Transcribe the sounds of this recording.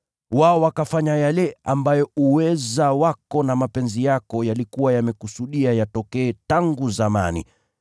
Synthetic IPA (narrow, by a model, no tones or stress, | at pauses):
waɔwakafaɲajalɛambajɔuwɛzawakɔnamapɛnzijakɔjalikuwajamɛkusuɗiajatɔkɛːtaŋɡuzama̰nḭ